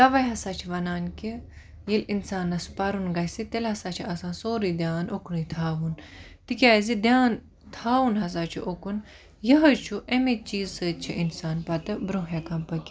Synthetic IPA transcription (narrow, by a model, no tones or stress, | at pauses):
d̪ɐʋɐjɦɐsaːt͡ʃʰiʋɐnaːnki | jelinsaːnːɐsu̥pɐɾunɡɐsit̪elhɐsat͡ʃʰiɐsãːsoːɾid̪ʲjaːnoknɨt̪ʰaːʋunt̪ikʲaːzid̪ʲjaːn | t̪ʰaːʋunɦɐs̬aːt͡ʃʰṵʔokun | jɐɦɐt͡ʃʰuʔemet͡ʃiːzsəːt̪̚t͡ʃʰiʔinsaːnpɐt̪ɨbɾõɦekɐmpɐkʲi